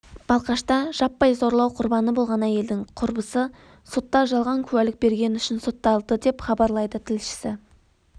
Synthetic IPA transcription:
b̥ɑlˠqɑʃt̪ɑʒ̥ɑpːɑjzo̞ɾlˠɑwqʰʊɾbɑnəbo̞lˠʁɑnæje̞ld̪ɪŋqʰʊɾbəsə | so̞t̪ːɑʒɑlˠʁɑŋkʲʰʉwælɪk̚be̞ɾɡʲe̞nʏʃɪnso̞t̪ːɑlˠd̪əd̪e̞pχɑbɑɾlˠɑjd̪ət̪ʰɪlʃɪ̥sɪ

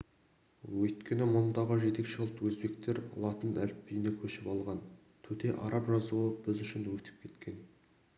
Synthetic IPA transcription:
wɵjt̪kʲe̞nɪmʊnd̪ɑʁəʒe̞t̪e̞kʃelˠt̪wɵzbe̞kt̪e̞ɾɑ̰lˠɑt̪ənʔælɪp̚bijɪnekʲʰɵʃɪpɑlˠʁɑn | t̪ʰɵt̪e̞ʔɑ̰ɾɑpʒɑzuəbɪzʏʃɪnwɵt̪ʰɪ̥p̚kʲʰe̞t̪kʲe̞n

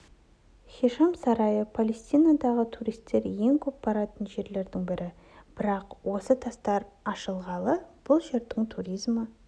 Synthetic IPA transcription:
χʲiʃɑmsɑɾɑjəpʰalest̪ijnad̪ɑʁət̪ʰuɾijst̪ːe̞ɾje̞ŋkʲʰɵp̚bɑɾɑt̪ənʒe̞ɾle̞ɾd̪ɪŋbɪɾʔɪ | b̥ɪɾɑqwo̞sət̪ʰɑst̪ɑɾɑʃəlˠʁɑlˠəb̥ʊlˠʒe̞ɾd̪ɪŋt̪ʰuɾijzmə

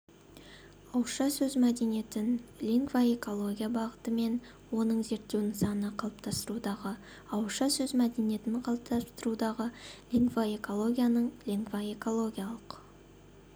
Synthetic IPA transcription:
ɑwəʃɑsɵzmæd̪e̞nije̞t̪ɪnlʲiŋɡvae̞ko̞lˠo̞ɡʲijabɑʁət̪əme̞n | wo̞nəɴze̞ɾt̪ːe̞wnɪŋsɑnənɑqʰɑlˠəp̚t̪ɑst̪əɾud̪ɑʁə | ɑwəʃɑsɵzmæd̪e̞nije̞t̪ɪnqʰɑlˠəp̚t̪ɑst̪əɾud̪ɑʁəlʲiŋɡvaeko̞lˠo̞ɡʲijanəɴlʲiŋɡvae̞ko̞lˠo̞ɡʲijalˠəq

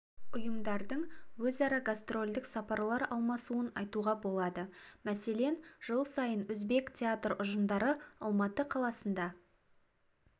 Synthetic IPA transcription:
ʊjəmd̪ɑɾd̪əɴwɵzɑɾɑɡast̪ro̞lʲd̪ɪksɑpɑɾlˠɑɾɑlˠmɑsuənɑjt̪uʁɑbo̞lˠɑd̪əmæse̞le̞nʒ̥əlˠsɑjənwɵzbe̞ktʲʰeat̪rʊʒənd̪ɑɾəɑ̰lˠmɑt̪əqʰɑlˠɑsənd̪ɑ

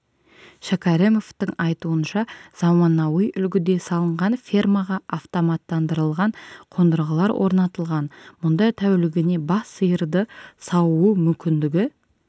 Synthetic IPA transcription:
ʃakaɾemo̞ft̪əŋɑjt̪uənʃɑz̥ɑmɑnɑwəjʔʏlɡʲɪd̪e̞sɑlˠəɴʁɑnfʲirmaʁɑːft̪omɑt̪ːɑnd̪əɾəlˠʁɑɴqʰo̞nd̪əɾʁəlˠɑɾwʔo̞̰ɾnɑt̪əlˠʁɑnmʊnd̪ɑjt̪ʰæwlɪɡʲɪne̞bɑsːəjəɾd̪əsɑwuumʏmkʲɪnd̪ɪɡʲɪ

